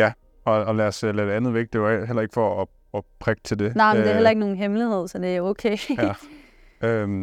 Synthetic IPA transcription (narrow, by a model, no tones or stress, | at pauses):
jæ | ɒ̽ːlæɐslæd̥e̝ænð̩ˠʋeɡ̥̚d̥e̝ʋɑ̈ɦel̰ɐe̝ɡ̥fɒː | ɒ̽pʰʁɛɡ̥t͡sʰe̝ld̥e̝nɑ̈ɪmndeæɐɦel̰ɐe̝ɡ̥no̝ːn̩ɦemliðˠsɒd̥e̝æokʰeːjæ | ø